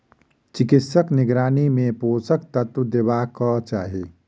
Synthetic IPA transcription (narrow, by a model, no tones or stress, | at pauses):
t͡ʃɪkɪt̪səknɪɡɾaːnimẽpoːsək̚t̪ɐt̪d̪eʋaːkɔt͡ʃa̰ːɦiː